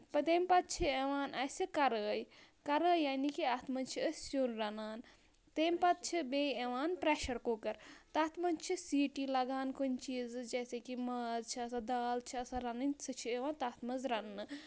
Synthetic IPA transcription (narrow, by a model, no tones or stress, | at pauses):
pɐt̪eːmpɐt̪̚t͡ʃʰieʋaːnʔɐsikɐɾəːjkɐɾəːjaːnikiat̪mɐnt͡ʃʰiəsjonɾɐnaːn | t̪eːmpɐt̪̚t͡ʃʰibeːeʋaːnpɾeːʃɐɾkoːkɐɾt̪ɐɐːt̪mɐnt͡ʃʰisiːʈilɐɡaːnkont͡ʃiːzd͡ʒɐːsekimɐzt͡ʃʰiɐsad̪aːlt͡ʃʰiɐsaɾɐnɐnʲsɨt͡ʃʰieʋaːnt̪aːt̪mɐzɾɐnːɨ